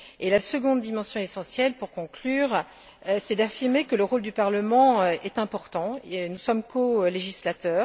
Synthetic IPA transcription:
elasəɡɔ̃d̪ːimɑ̃sjɔ̃esɑ̃sjɛlpuʁkɔ̃klyːʁ | sɛd̪afiʁmekələʁold̪ypaʁləmɑ̃ɛt̪ɛ̃pɔʁt̪ɑ̃nusɔmkoleʒislat̪œːʁ

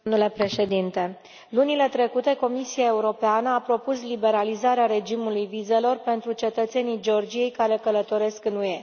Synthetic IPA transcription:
mnule̞pɾe̞ʃe̞d̪int̪e̞ | lunile̞t̪ɾe̞kut̪e̞ko̞misiae̞uɾo̞peanəapɾo̞puslibe̞ɾalizaɾeaɾe̞d͡ʒimulujvize̞lo̞rpe̞nt̪ɾut͡ʃe̞t̪ət̪se̞nijd͡ʒeo̞rd͡ʒije̞jkaɾe̞kələt̪o̞ɾe̞skɨnue̞

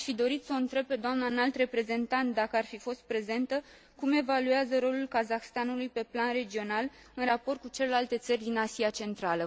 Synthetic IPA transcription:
aʃfid̪o̞ɾit̪səoɨnt̪ɾe̞b̚pe̞d̪oamnanalt̪re̞pɾe̞ze̞nt̪ant̪̚d̪akəarfifo̞st̪̚pɾe̞ze̞nt̪ə | kume̞valueazəɾo̞lulkazaxst̪anulujpe̞planre̞d͡ʒio̞nal | ɨnrapo̞rt̪̚kut͡ʃele̞lalt̪e̞t̪sərʲd̪inasiat͡ʃe̞nt̪ɾalə

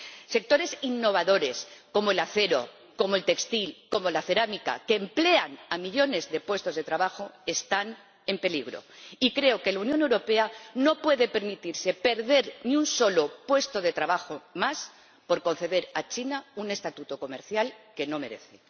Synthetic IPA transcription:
se̞k̚t̪o̞ɾe̞sinːo̞β̞aðo̞ɾe̞sko̞moelaθe̞ɾo̞̰ | ko̞moelt̪e̞kst̪ilko̞mo̞laθe̞ɾamika̰keːmple̞anamiʎo̞ne̞zðe̞pwe̞st̪o̞zð̞e̞t̪ɾaβaxo̞est̪an | e̞mpe̞liɣ̞ɾo̞̰ikɾe̞o̞ke̞launjõ̞ne̞wɾo̞pe̞ano̞pwe̞ðe̞pe̞ɾmit̪iɾse̞pe̞ɾðe̞ɾniunso̞lo̞pwe̞st̪o̞ð̞e̞t̪ɾaβaxomas | po̞ɾko̞nθe̞ðe̞ɾat͡ʃinaune̞st̪at̪ut̪oko̞me̞ɾθjalke̞no̞me̞ɾe̞̰θe

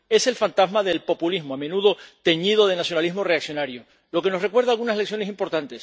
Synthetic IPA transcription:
e̞se̞lfant̪azmaðe̞lpo̞pulizmoamenuðo̞t̪e̞ɲiðo̞ð̞e̞nasjo̞naliɦmo̞re̞aksjo̞naɾjo | lo̞ke̞no̞sre̞kwe̞ɾð̞alɣunasleksjo̞nes̬impo̞ɾt̪ant̪e̞s

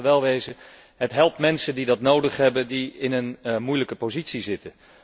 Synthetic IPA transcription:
ʋɛlˠʋejzə | ɦətɦɛlˠp̚tmɛnsəndidɑtnowdəχɦɛbəndiɪnənmujləkəpozitsizɪtə

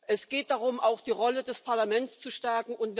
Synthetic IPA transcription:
ʔɛsɡ̥eːt̚d̥aʁʊmʔaʊxd̥iːʁɔlədɛspʰaɐlamɛnt͡st͡suʃtɛɐkŋ̩ʊntv

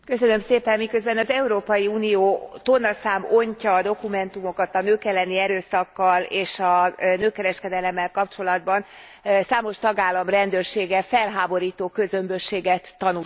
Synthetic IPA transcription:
kø̞sønø̞mseːpɛmmːikø̞zbɛnɒzɛuɾoːpɒjiuːnijoːt̪o̞nːɒsaːmoɲcɒːd̪o̞kumɛn̪t̪umo̞kɒt̪ɒnøːkɛlːɛniɛɾøːsɒkːɒleːʃɒnøːkːɛɾɛʃkɛd̪ɛlɛmːɛlkɒpt͡ʃo̞lɒd̪bɒn | saːmo̞ʃt̪ɒɡaːlːɒmrɛnd̪øːrʃeːɡɛfɛlɦaːbo̞ɾiːt̪oːkø̞zømbøʃeːɡɛt̪ːɒnu

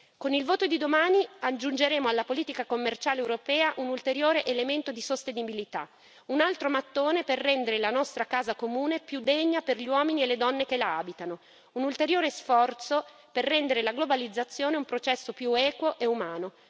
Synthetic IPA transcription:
konilvoːt̪od̪id̪omaːniad͡ʒːund͡ʒeɾeːmoalːapoliːt̪ikakomːert͡ʃaːlewɾopɛːaʔunult̪eɾjoːɾeʔelement̪od̪isost̪enibilit̪a̰ | unalt̪ɾomat̪ːoːneperːɛnd̪eɾelanɔst̪ɾakaːzakomuːnepjud̪eɲːaperʎiwɔːminielːed̪ɔnːekelaa̰ːbit̪ano | unult̪eɾjoːɾesfɔrt̪so | perːɛnd̪eɾelaɡlobalid̪zːat̪sːjoːneumpɾot͡ʃɛsːopjuɛːkwoʔeumaːno

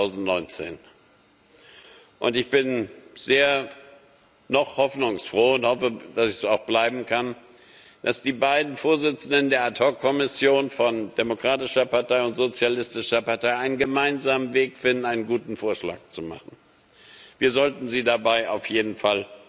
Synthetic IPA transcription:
aʊzn̩tnɔʏnt͡sḛːn | ʔʊ̰ntɪçb̥ɪnz̥eːɐ | nɔχhɔfnʊŋsfʁ̥oːʊnthɔfəd̥asɪçsaʊxb̥laɪbm̩kʰan | d̥asd̥iːbaɪdn̩foːɐzɪt͡sn̩dəndeːɐatʰɔkʰːɔmɪsjoːnfɔndemokʁ̥aːtɪʃɐpaɐtʰaɪʊntz̥ot͡sjalɪstɪʃɐpaɐtʰaɪʔaɪnənɡəmaɪnzaːmənveːkfɪndn̩aɪnənɡuːtn̩foːɐʃla̰ːk̚t͡suma̰χn̩ | viːɐzɔltn̩ziːdabaɪʔaʊfjeːdn̩fal

